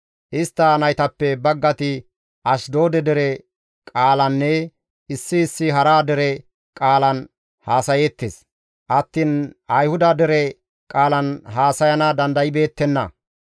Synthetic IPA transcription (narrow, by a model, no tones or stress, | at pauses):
ʔɪst̪ːɐnɐjt̪ɐpːɛbɐɡːɐt̪ɪ | ʔɐʃd̪o̞ːd̪ɛd̪ɛɾɛ | kʼaːlɐnːɛ | ɪsːɪːsːɪɦɐɾaːd̪ɛɾɛ | kʼaːlɐn | haːsɐjeːt̪ːeːs | ʔɐt̪ːinɐjhʊd̪ɐd̪ɛɾɛ | kʼaːlɐnɦaːsɐjɐnɐd̪ɐnd̪ɐjɪbe̞ːt̪ːɛnːɐ̰